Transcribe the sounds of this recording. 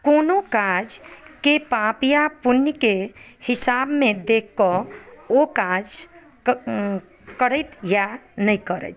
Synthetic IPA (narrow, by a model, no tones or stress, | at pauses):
koːnokad͡ʒkepapjapunjkehɪsabmẽd̪ekʰːɔokad͡ʒ | kəɽət̪janəĩkəɾə̰t͡ʃ